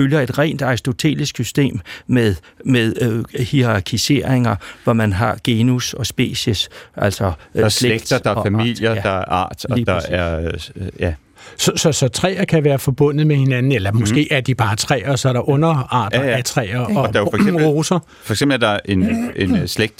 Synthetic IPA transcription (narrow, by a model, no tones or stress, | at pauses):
øljɐe̝d̥ʁɛ̰ːnd̥ɑ̈isd̥o̝t͡sʰe̝̰ːlisɡ̥sysd̥e̝̰ːmmeðˠ | meðˠhiʁɑ̈kʰise̝̰ɐeŋɐʋɒmænɦɑ̈ɡ̥e̝ːnusɒ̽sb̥e̝̰ːɕəsʔæl̰sɒ̽sleeɡ̥d̥ɐd̥ɑ̈æɐfæmil̰jɐd̥ɑ̈æɐʔɑ̰̈ːd̥ɒiːpd̥ɑsæɐjæ | sɒ̽sɒ̽sɒ̽t͡sʰʁɛ̰ːɐkʰæʋæːɐfɒ̽b̥ɔ̽n̰ð̩ˠmehe̝nænn̩elɐmɔsɡ̥e̝̰ːæɐd̥ib̥ɑ̈ːt͡sʰʁɛ̰ːɐsɒ̽æɾ̥ɑ̈ʔɔ̽nɐɑ̈ːdæt͡sʰʁɛ̰ːɐɒd̥ɑfseoːsɐ | fɒ̽eɡ̥semb̥l̩æɐd̥ɑʔe̝ne̝nsleɡ̥̚d̥